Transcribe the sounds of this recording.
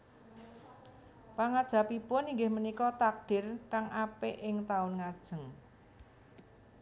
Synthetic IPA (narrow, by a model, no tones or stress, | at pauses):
paŋad̥ʒ̥ä̤pipʊniŋɡɪhmənikɔt̪ak̚ɖ̥ɪ̤rkaŋʔapeʔɪŋt̪aʊnŋad̥ʒ̥ə̤ŋ